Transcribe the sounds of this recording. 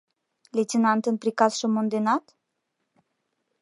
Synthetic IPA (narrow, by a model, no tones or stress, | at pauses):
lʲet͡s̪ʲinant̪ɨnpɾikasʃomond̪enat̪